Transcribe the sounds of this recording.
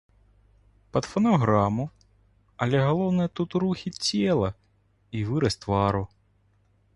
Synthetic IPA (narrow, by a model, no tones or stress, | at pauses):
pɐd̪fɐnɐɦɾamʊ | ɐlʲɛɦɐlˠɔwnɛt̪ut̪ɾuxʲitʲɛlˠɐ | iʋɨɾɐsʲt̪ʋɑɾʊ